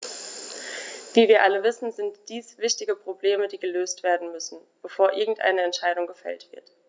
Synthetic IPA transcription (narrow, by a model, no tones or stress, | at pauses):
v̥iːviːɐʔaləvɪsn̩zɪntd̥iːsv̥ɪçtɪɡəpʁ̥obleːmədiːɡəløːstv̥eːɐdn̩mʏsn̩ | b̥əfoːɐʔɪɐɡŋ̩tʔa̰ɪnəɛntʃaɪɾʊŋɡəfɛ̰ltv̥ɪ̰ɐt